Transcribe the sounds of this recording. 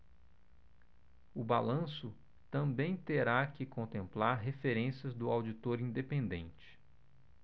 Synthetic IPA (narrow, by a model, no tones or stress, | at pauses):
ʊbalɐ̃sʊ | t̪ɐ̃mbẽj̃t̪eɾakɪkõnt̪ẽmplaɾɦefeɾẽsjɐzd̪ʊawd͡ʒit̪oɾĩd̪epẽnd̪ẽnt͡ʃɪ̥